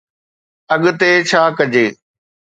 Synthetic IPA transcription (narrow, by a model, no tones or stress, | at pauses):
ɐɠt̪et͡ɕʰaːkɐd͡ʑeː